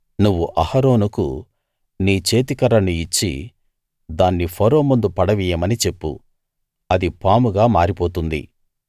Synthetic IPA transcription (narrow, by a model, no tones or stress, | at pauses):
nuʋːuʔɐhɐɾo̞ːnukṵ | niːt͡ʃe̞ːt̪̬ikɐɾɐnuit͡ʃːḭ | d̪aːnːipʰɔɾo̞ːmund̪upɐɽɐʋijɐmɐnit͡ʃe̞pːṵ | ɐd̪ipaːmuɡaːmaːɾipo̞ːt̪und̪ḭ